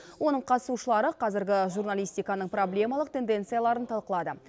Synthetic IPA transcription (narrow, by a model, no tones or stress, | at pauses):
wo̞nəɴqʰɑt̪əsuʃəlˠɑɾəqʰɑzɪɾɡʲɪʒurnalʲijst̪ijkɑnəɴproblʲe̞mɑlˠəq̚t̪e̞nd̪e̞nt̪sɨjalˠɑɾənt̪ʰɑlˠqəlˠɑd̪ə